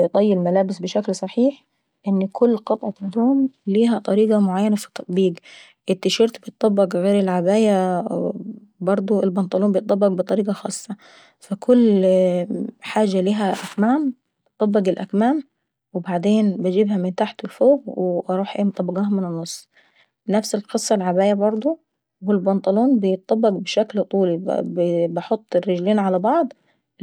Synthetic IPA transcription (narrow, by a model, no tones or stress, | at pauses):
t̪ˤɑjːɪlmælæːbɪsbɪʃæklsˤɑħiːħ | ʔɪnːkʰʊlːqɑt̪ˤʕɑd̪ːoːmliːɦæt̪ˤɑɾiːɡɑmoʕajːænafi̥t̪ˤːɑt̪ˤbiːɡ | ʔɪt̪ːɪʃɑɾt̪bet̪ˤːɑbːɑɡɣeːɾɪlʕabæːjæ | bɑɾˤd̪ˤoɪlbɑnt̪ˤɑluːmbjt̪ˤɑbːɑɡbet̪ˤɑɾiːɡɑxɑːsˤːɑ | fækʰʊlː | ħaːd͡ʒːaliːɦæʔækmaːm | t̪ˤːɑbːɑɡɪlʔækmaːm | wɪbaʕd̪eːnbɪd͡ʒibhæmɪnt̪aːħt̪ʊlfoːɣweʔɑɾˤuːħʔḛːmt̪ˤɑbːɑɡɑːɦɑmɪnɪnːosˤː | næfsɪlqɨsˤːɑlʕabæːjæbɑɾˤd̪ˤo | wɪlbɑnt̪ˤɑluːnbɪjt̪̚ˤːɑbːɑɡbʃæklt̪ˤuːli | bɑħot̪ˤːɪrːɪd͡ʒliːnʕalabɑʕd̪ˤ